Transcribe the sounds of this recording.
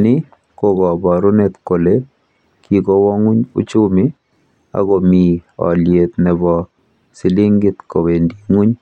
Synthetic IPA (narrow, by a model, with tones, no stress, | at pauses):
nɪ˦ | ko˦ɡɔ˨bɔ˨ɾʊ˦net̪ko˨le | kʰikɔ˦wɔ˦ŋu˦ɲṵ˦t͡ʃʊ˦mɪ˦ | a̰˨ɡo˨mi˨ɔ̰˨lje˨t̪nɛ˨bɔ˨ | sɪ˨lɪ˦ŋɡɪ˦t̪ko˨we˨ndi˨ŋu˦ɲ